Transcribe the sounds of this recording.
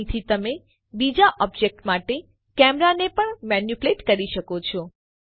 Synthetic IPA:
t̪ʰit̪əme | bid͡ʒaʔɔbd͡ʒek̚ʈmaʈe | kɛmɾanepəɳmɛnjupleʈkəɾiʃəkot͡ʃʰo

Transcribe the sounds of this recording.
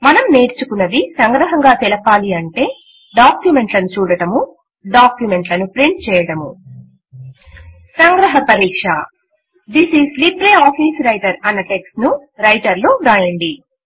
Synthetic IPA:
mɐnɐmne̞ːɾt͡ʃukunːɐd̪isɐŋɡɾɐɦɐŋɡaːt̪ɛlɐpaːliɐɳʈe̞ː | ɖaːkjume̞ɳʈlɐnut͡ʃuːɽɐɽɐmu | ɖaːkjume̞ɳʈlɐnupɾiɳʈ̚t͡ʃɛːjɐɽɐmu | sɐŋɡɾɐɦɐpɐɾiːkʂɐ | d̪isizlipɾeːaːpʰiːsɾɐjʈɐɾɐnːɐʈe̞ksʈnuɾɐjʈɐɾluɾaːjɐɳɖi

